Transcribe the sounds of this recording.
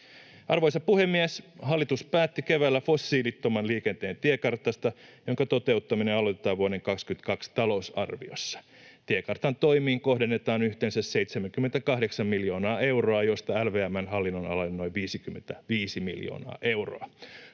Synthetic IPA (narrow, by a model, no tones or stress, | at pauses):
ɑrʋojsɑpuhemːieshɑlːit̪uspæːt̪ːikeʋæːlːæfo̞sːiːlit̪ːomɑnliːkent̪eːnt̪iekɑrt̪ːˑɑst̪ɑjoŋkɑt̪ot̪e̞ut̪ːɑmineɑlot̪et̪ːɑːʋuoɾeŋkɑkskyt̪kɑkst̪ɑlo̞usɑ̰rʋḭo̞̰sːɑ̥ | t̪iekɑrt̪ɑnt̪oimiːŋkohdenːet̪ɑːnyht̪eːnsæsseijt̪semæŋkymːent̪ækɑhdeksɑmmiljo̞ːnɑːe̞wroɑjo̞st̪ɑælʋeːæmːænɦɑlːinːonɑ̰lɑnːoiʋʋiːsikymːent̪æʋiːsimḭljo̰ːnɑ̰ːʔe̞wro̰ɑ